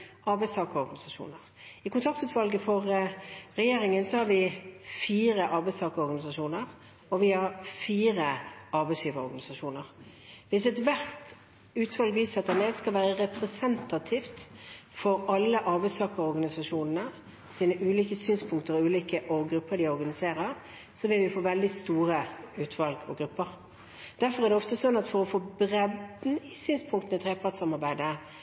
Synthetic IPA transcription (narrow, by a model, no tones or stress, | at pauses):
ɑɾbɛɪst̪ʰɑːkəɾɔɾɡɑnɪsɑʃṵːnəʁ | ɪkʊnt̪ʰɑk̚t̪ʉːt̪ʋɑlɡəfɔʁʁɛjeːɾɪŋənsɔhɑɾʋɪfiːɾəʔɑɾbɛɪst̪ʰɑːkəɾɔɾɡɑnɪsɑʂuːnəɾ | ɔʋɪhɑɾfiːɾəɑɾbɛɪshyːʋəɾɔɾɡɑnɪsɑʃuːnəɾ | ʋɪsɛt̪ʋæʁt̪ | ʉːt̪ʋɑlɡʋiːsɑt̪ːənɛːd̪skɑlʋæːɾəʁɛpɾɛsɛnt̪ɑt̪ʰift̪fɔɾɑlːəʔɑɾbæɪsɑːkəɾɔɾɡɑnɪsɑʂuːnnə | siːnəʔʉːliːkəsyːnspʰʊŋkt̪əɾɔʉːliːkəʔɔɡɾʉpːəɾd̪ɪɔɾɡɑnɪseːʁəʁ | sɔʋɪlʋɪfoːʋɛld̪ɪst̪uːʁəʉːt̪ʰʋɑlɡɔ̰ɡɾʉpːəʁ | d̪̥æɾfɔʁɛʁd̪ɛɔft̪əsɔnːɑt̪fɔɾɔfoːbʁɛd̪n̩ɪsyːnspʰʊŋkt̪ənət̪ʰʁeːpʰɑʁt̪sɑmɑʁbæɪd̪ə